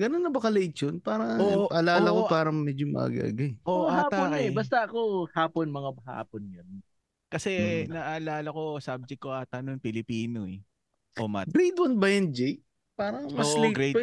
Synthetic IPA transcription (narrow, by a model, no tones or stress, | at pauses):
ɡɐnonːɐbɐkɐlet͡ʃonpaːɾɐŋɐoʔɐlaːlɐkopaːɾɐŋmɛd͡ʒomɐ̰ʔa̰ɡa̰ːɡɐjʔoahaːt̪aɛbɐst̪ɐʔɐkohaːponmɐŋaha̰ːponjɐn | kɐsɛnɐʔɐːlaːlɐko̞sab̚d͡ʒɛk̚ːoʔat̪ɐnonpɪlɪpiːnoɛ | ʔomatɡɾejd̪wɐnbɐjɐnd͡ʒɛj̚ | paːɾɐŋmɐoslɪŋɡɾ